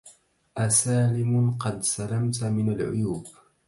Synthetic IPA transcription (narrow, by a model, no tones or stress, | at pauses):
ʔasaːlɪmʊqɑd̪salamt̪mɪnalʕʊ̰juːb